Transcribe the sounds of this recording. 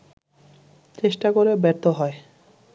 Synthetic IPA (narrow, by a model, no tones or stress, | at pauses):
t͡ɕeʃʈakoɾebɛɾt̪oɦɔe